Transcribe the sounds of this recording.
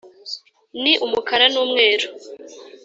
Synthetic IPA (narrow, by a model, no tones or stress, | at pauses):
niʔumukʰaɾanuːmŋe̞ːɾo